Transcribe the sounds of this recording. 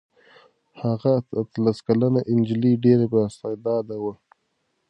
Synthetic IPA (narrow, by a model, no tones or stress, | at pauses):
haɣaat̪laskalanaʔɪnd͡ʒliɖeɾebst̪ɑjd̪ɑd̪awə